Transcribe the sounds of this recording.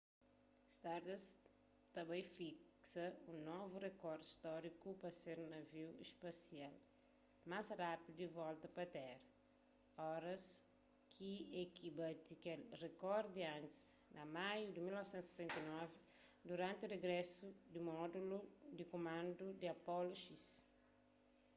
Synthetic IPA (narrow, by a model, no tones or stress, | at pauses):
st̪aɾd̪ɐs | t̪ɐbãj̃fik | sɐũnɔvurekɔɾd̪i̥st̪ɔɾikupɐseɾnɐviwḭspɐsial | masrapid̪uivɔlt̪ɐpɐt̪ɛɾɐ | ɔɾɐs | kʰiekʰibat̪ikɛlrekɔɾd̪iãnt̪i̥snʔɐmajud̪imilnɔvsẽnt̪sesẽnt̪ɐinɔvi | d̪uɾãnt̪ureɡɾɛsud̪imɔd̪ulud̪ikomãnd̪ud̪iɐpɔluʃis